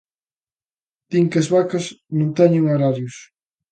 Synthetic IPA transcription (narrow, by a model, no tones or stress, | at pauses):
d̪̥iŋkezβakɐsnõŋt̪ɛɲʊŋoɾaɾjus